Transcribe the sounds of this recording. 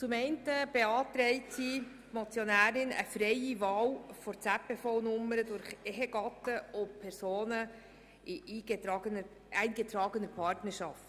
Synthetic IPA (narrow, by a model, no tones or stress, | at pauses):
t͡sʊmɛɪntəb̥eɑːt̪ɾɛɪtsi | mɔt͡sjonæːɾɪnə̰fɾɛjivɑːwfɔɾt͡sæpefɔwnʊmːəɾədʊɾχɛɦəɡ̥ɑtəʔɔpʰɛɾsoːnə | ɪʔiːɡɑɡənə | ɛɪnɡet̪ɾɑːɡənəɾpʰɑɾtnəɾʃɑft